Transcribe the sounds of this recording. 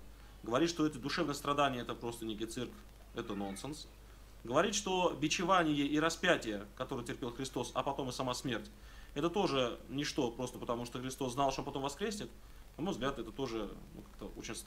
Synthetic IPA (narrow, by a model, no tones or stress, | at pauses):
ɡəvɐɾʲit̪ʂt̪o̞ɛt̪əd̪ʊʂɛvnəjəst̪ɾɐd̪anʲɪjəɛt̪əpɾo̞st̪ənʲekʲɪjt̪sɨrkf | ɛt̪əno̞nsɨns | ɡəvɐɾʲit̪ʂt̪o̞vʲɪt͡ɕɪvanʲɪjəʔiɾɐspʲætʲɪjəkɐt̪o̞ɾɨjətʲɪrpʲe̞lˠxɾʲɪst̪o̞sɐ̰pɐt̪o̞mɨsɐmasmʲertʲ | ɛt̪ət̪o̞ʐɨnʲɪʂt̪o̞pɾo̞st̪əpət̪ɐmuʂt̪oxɾʲɪst̪o̞sznalˠʂt̪opɐt̪o̞mvɐskɾʲesʲnʲɪt̪ | nɐmo̞jvzɡlʲat̪ɛt̪ət̪o̞ʐɨnṵkḁk̚t̪əo̞̰t͡ɕɪnʲ